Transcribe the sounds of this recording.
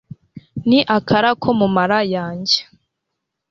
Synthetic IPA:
niʔakʰaɾakʰo̞mumaɾajaːɲɟe̥

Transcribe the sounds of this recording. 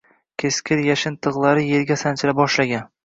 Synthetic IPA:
kʲʰeskʲɪɾjaʃɪnt̪ʰɨʁlˠaɾɪje̞ɾɡʲasant͡ʃʰɪɾap̚bɒʃlaɡʲan

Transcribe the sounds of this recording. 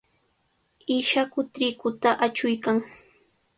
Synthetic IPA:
ɪʃakʊt̪ɾɪkʊt̪aʔat͡ʃʊjkaŋ

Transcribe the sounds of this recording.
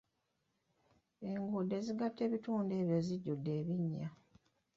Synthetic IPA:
e̞ŋɡudːe̞ziɡatːe̞ːβituːnde̞ːβjo̞ziɟːudːe̞ːβiɲːa

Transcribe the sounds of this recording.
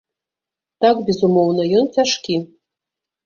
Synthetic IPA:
t̪ɑkbʲezumownəjontʲæʂkʲi

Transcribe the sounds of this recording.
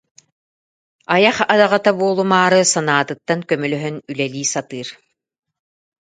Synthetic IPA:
ajaχad̪aʁat̪abuɔlˠumaːɾɯsanaːt̪ɯt̪ːankœmœlœɦœnylɛliːsat̪ɯːɾ

